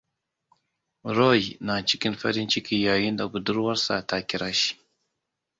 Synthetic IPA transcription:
ɾo˦jna˨t͡ʃɪ̥˦kʲɪ˦mɸɐ˦ɽɪ˦nt͡ʃɪ˦kʲiː˦jaː˨ji˦nda˨ɡʊ˨dʊ˦ɾwɐ˦rsa̰˨ta˦kʲɪ˦ɾa˦ʃi̥˦ʔ

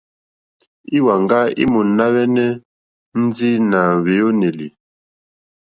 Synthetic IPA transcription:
i˦wa˨ŋɡa˦ḭ˦mu˨na˦wɛ˦nɛ˦ | n̩˦d͡zi˦na˨βe˨˦o˦ne˨lḭ˨

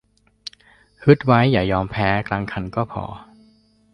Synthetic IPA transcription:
hɯ˦˥t̪̚wa˦˥jːaː˨˩jɔː˧mpʰɛː˦˥kʰlaː˧ŋkʰa˧nkɔː˥˩pʰɔ̰ː˧˦

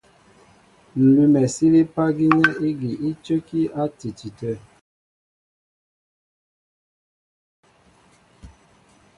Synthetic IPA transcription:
n̩˨lu˨mɛ˨si˦li˦pa˦ɡi˦nɛ˦i˦ɡi˨i˦t͡ʃə˦ki˦a˦ti˨ti˨tə˦˨

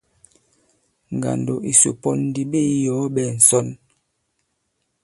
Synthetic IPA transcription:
ŋ˨ɡa̰˨ndo˨ʔi˨sṵ˨pɔ˦ndi˨be˦jɔ˨˦ɓɛ˨n̩˨sɔ˦n

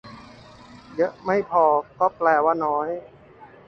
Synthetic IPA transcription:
jɤ˦˥ʔma˥˩jpʰɔː˧˩kɔː˥˩plɛː˨˩waː˧˥˩nɔː˦˥j

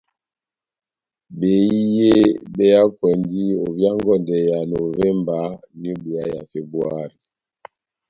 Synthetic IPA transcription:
be˨˦i˦je˦˨bɛ˦ja˦kwɛ˨ndi˦o˨vja˦ŋɡɔ˦˨ndɛ˨ja˨no˨vɛ˦mba˨˦ | ni˦bu˨a˦ja̰˨fe˦bwa˦ɾi˨

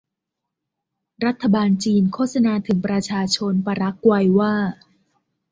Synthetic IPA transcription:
ɾa˦˥t̪ʰːa˧baː˧nt͡ɕiː˧nkʰoː˥˩t̪̚sa˧naː˧t̪ʰɯ˩˦ŋpɾa˧t͡ɕʰaː˧t͡ɕʰo˧npa˧ɾa˦˥kːwa˧jwaː˥˩

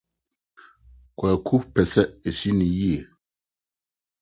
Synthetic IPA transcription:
kʰʷwɛ˨kʰu˦pɛ˨sɛ˦e˨si˦nĩ˨ji˦e˨

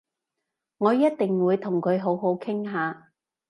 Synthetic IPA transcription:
ŋɔː˨˧jɐ˥t̚t̪ɪ˨ŋwuː˨˧jt̪ʰʊ˨˩ŋkʰɵ˨˧ɥɦo˨˥wɦo˨˥wkʰɪ˥ŋɦaː˨˧

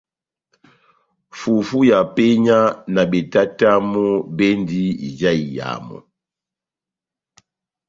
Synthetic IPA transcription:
fu˨fu˦ja˨pɛ˦ɲa˦na˨bɛ˨ta˦ta˦mɔ˦bɛ˦ndi˦ḭ˨d͡ʒa˦i˨ja̰˨mɔ̰˨

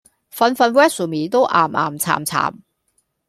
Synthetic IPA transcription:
fɐ˧nfɐ˧nwɛː˥sə˨˩miː˨t̪o˥wʔa̰ː˨˩mʔa̰ː˨˩mt͡sʰa̰ː˨˩mt͡sʰa̰ː˨˩m

